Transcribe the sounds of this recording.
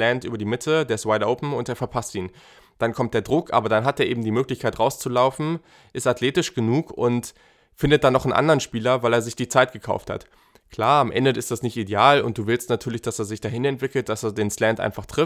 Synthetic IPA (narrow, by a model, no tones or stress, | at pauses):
lɛntʔyːbɐdiːmɪtʰədeːɐɪstwaɪtʔoʊpn̩ʊnteːɐfɛɐpʰastʔiːn | d̥ankʰɔmt̚d̥eːɐdʁʊkʔa̰ːbɐdanɦat̚deːʔeːbm̩diːmøːklɪçkʰaɪtʁaʊst͡sulaʊfn̩ | ʔɪstatleːtɪʃɡ̥ənuːkʊnt | fɪndət̚d̥anːɔχn̩ʔa̰ndəʁənʃpiːlɐvaɪleːɐzɪçd̥iːt͡saɪt̚ɡ̥əkʰa̰ʊftha̰t | kʰl̥aːɐamʔɛ̰ndəɪstd̥asnɪçtideaːlʊ̰nt̚d̥uːvɪlstnatʰyːɐlɪçd̥aseːɐzɪçd̥aːɦɪnɛntv̥ɪkl̩t̚d̥aseːɐdeːnslɛntʔa̰ɪnfaχtʁ̥ɪf